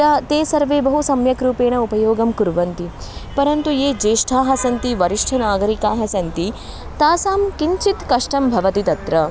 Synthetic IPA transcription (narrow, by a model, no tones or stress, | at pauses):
aːt̪eːsɐɾʋeːbɐɦusɐmjɐkɾuːpeːɳɐupɐjoːɡɐmkuɾʋɐnt̪i | pɐɾɐnt̪ujeːd͡ʒeːʂʈʰaːɦɐsɐnt̪iʋɐɾiʂʈʰɐnaːɡɐɾikaːɦɐsɐnt̪i | t̪aːsaːmkiɲt͡ʃit̪kɐʂʈɐmbʱɐʋɐt̪it̪ɐt̪ɾɐ